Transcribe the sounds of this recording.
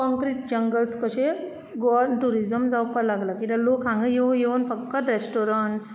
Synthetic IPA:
kɔ̃ŋkɾiʈ̚d͡ʑəŋɡəlskəɕe | ɡɔʈuɾid͡zəmd͡zawpəɾlaɡlakit̪alokɦãŋɡəjejewnfəkkːət̪ɾesʈoɾaɳʈs

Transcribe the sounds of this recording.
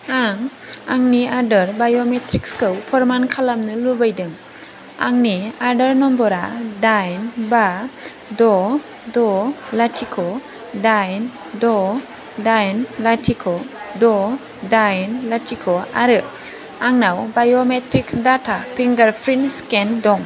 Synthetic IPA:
aŋaŋniaɾdəɾbajometɾikskɯwpʰɔɾmankʰalamnɯlubajdɯŋ | a̰ŋniaɾdəɾnɔmbɔɾadajnba | dɔ | dɔlatʰikʰɔ | dajn | dɔ | dajnlatʰikʰɔdɔ | dajnlatʰikʰɔaɾɯʔ | aŋnawbajometɾiksdatʰapʰiŋɡaɾpʰɾinskendɔŋ

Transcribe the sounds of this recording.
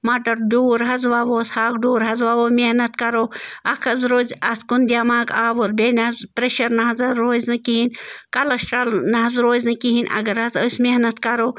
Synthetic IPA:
mɐʈɐɾɖuːɾɦɐzʋaʋoːshaːk̚ɖuːɾɦɐzʋaʋoːmehnɐt̪kɐɾoːɐkʰɐzɾoːzʲɐt̪ʰkund̪ʲaːmaːkaːʋoɾbenɐɐzpɾeʃɐɾnɐɦɐzɐɾoːzʲnɨkiɦinkɐlɐsʈɐlnɐɦɐzɾoːzʲnɨkiɦinʲʔɐ̰ɡɐɾɦɐzosʲmehnɐt̪kɐɾoː

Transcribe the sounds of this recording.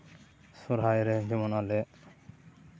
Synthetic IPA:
soɾɦajɾed͡ʑimonale

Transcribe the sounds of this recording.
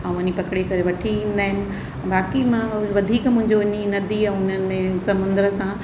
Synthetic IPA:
ɛ̃ːʋɐnipɐkɽekɐɾeʋɐʈʰiĩːn̆d̪aːɦɪnɪ̆̃ | baːkimãʋɐd̪ʱiːkmʊ̃ɦɪ̃ɲd͡ʑoɲinɐd̪ʱiɛ̃ːʊn̤ənɪ̆mẽsɐmʊ̃nd̪ɾəsã

